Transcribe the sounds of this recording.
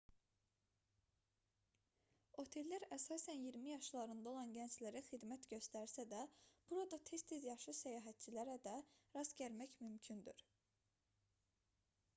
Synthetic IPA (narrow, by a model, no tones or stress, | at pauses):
o̞t̪ʰe̞lːæɾæsɑːsænjiɾmijɑʃlˠɑɾɯnd̪ɑo̞lˠɑnɟænt͡ʃlæɾæxid̪mæt̪ɟø̞st̪æɾsæd̪æb̥uɾɑd̪ɑt̪ʰe̞st̪ʰezjɑʃɯsæjɑːɦæt̪̚t͡ʃʰilæɾæd̪æɾɑzɟæɾmæçmymcʰynd̪yɾ